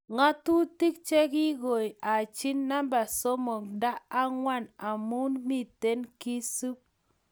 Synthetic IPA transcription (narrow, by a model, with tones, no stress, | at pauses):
ŋa˦tu˦ti˦k̚t͡ʃe˦ki˦ɡo˨ja˨t͡ʃi˦nːa˦mba˨so˦mo˨kda˦a˦ŋwa˦˨na˨mu˦nmi˦te˦nki˦su˦p̚